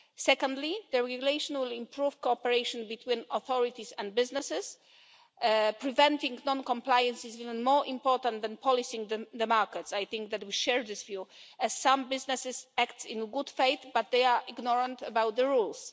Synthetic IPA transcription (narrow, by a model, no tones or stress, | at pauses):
sɛkɔ̃nd̪lid̪əɹɛɡjulejʃɔ̃nwɪlĩmpɹuv̥kɔɔpɛɹejʃɔ̃nbit̪wĩnɔθɔɹit̪isɛ̃nd̪̚bɪznɛsɛs | pɹivɛ̃nt̪ĩŋɡnɔ̃nkɔ̃mplajɛ̃nsisivɛ̃nmɔɹʔĩmpɔɹt̪ãnt̪d̪ɛ̃npʰɔlisĩŋdəd̪əmaɹkɛt̪sajθĩŋkðɛt̪wiʃɛɹd̪ɪsvjuɛsːãmbɪznɛsɪsækt̪sḭ̃nɡud̪fejt̪bat̪̚d̪ejaɹʔiɡnɔɹãnt̪əbawt̪̚d̪əɹuls